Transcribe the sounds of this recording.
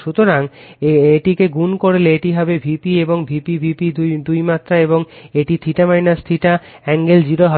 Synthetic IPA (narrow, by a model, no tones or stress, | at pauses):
ʃut̪oɾaŋeʈikeɡunkoɽeleeʈiɦɔbebʱipieboŋbʱipibʱipid̪d̪ujmat̪ːɾaeboŋeʈit̪ʰiʈamajnast̪ʰiʈa | ɛŋɡeld͡ʑiɾoɦ